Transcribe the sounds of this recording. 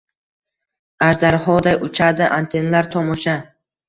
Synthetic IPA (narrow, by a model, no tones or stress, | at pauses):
aʒd̪aɾhɒd̪ajʊt͡ʃʰad̪ɪʔant̪ʰe̞nalaɾt̪ʰɒmɒʃa